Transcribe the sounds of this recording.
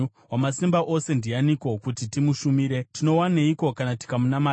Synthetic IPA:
wamasimbaʔo̞se̞ndijaniko̞kutitimuʃumiːɾe̞tino̞waneiko̞kanati̥kamunama

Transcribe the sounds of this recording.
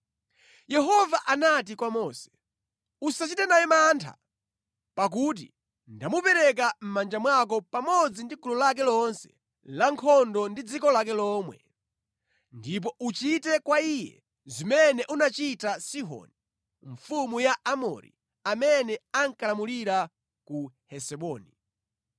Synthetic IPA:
jɛɦɔvaʔanat̬ikwamɔːsɛ̥ | usat͡ʃitɛnajɛmantʰa̰ | pak̬uːt̬i | ndamupɛɾɛk̬am̩mand͡ʒamwak̬ɔpamɔd͡zindikulɔlak̬ɛlɔnsɛ̰ | laŋkʰɔndɔndid͡zikɔlak̬ɛlɔːmwɛ̰ | ndip̬ɔʔut͡ʃitɛkwaijɛ̰ | zimɛnɛʔunat͡ʃitasiɦɔ̰ni | ɱfumujaʔamɔ̰ɾḭ | amɛnɛaŋkalamuliɾa | kuhɛsɛɓɔːni

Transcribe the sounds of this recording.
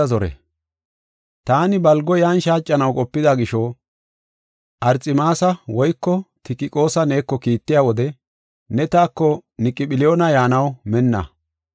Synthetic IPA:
ɐzɔɾɛ̰ | t̪aːnɪbɐlɡɔjaːnʃaːt͡ʃʼːɐnɐwkʼɔpːɪd̪aɡɪʃɔ | ʔɐɾt͡sʼɪmaːsɐwɔjkːɔt̪ɪkɪkʼo̞ːsɐne̞ːkːɔkiːt̪ːɪjaːwɔd̪ɛ | nɛt̪aːkːɔnɪkʼːɪɓɪlɪjo̞ːnɐjaːnɐwmɛnːɐ̰

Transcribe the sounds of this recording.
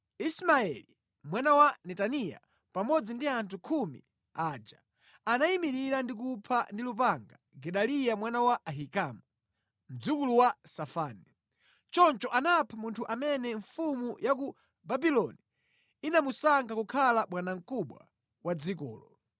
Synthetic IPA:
ismaɛli | mwanawanɛtanija̰ | pamɔd͡zindiantʰukʰumḭ | aːd͡ʒa | anaimiɾiɾandik̬upʰandilupaŋɡa | ɡɛɗalijamwanawaʔːɦikamu | m̩d͡zukuluwasafaːni | t͡ʃɔnt͡ʃɔʔanapʰamuntʰuʔamɛnɛɱfumujak̬u | babilɔni | inamusaŋɡakukʰalaɓwanaŋ̩kuɓwa̰ | wad͡zikɔ̰ːlɔ

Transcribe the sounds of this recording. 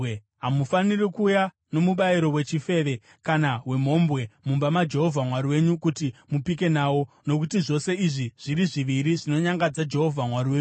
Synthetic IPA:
ɦamufanirikuːja | no̞muɓaiɾo̞we̞t͡ʃife̞ːʋe̞ | kanawe̞m̤o̞mbwe̞mumbamad͡ʒe̞ɦo̞vʱamwaɾiwe̞ɲukutimupike̞naːwo̞ | no̞k̬utiʐo̞se̞iʐiʐ̥iɾiʐiʋiɾiʐino̞ɲaŋɡad͡zad͡ʒe̞ɦo̞vʱamwariwe̞ːɲu

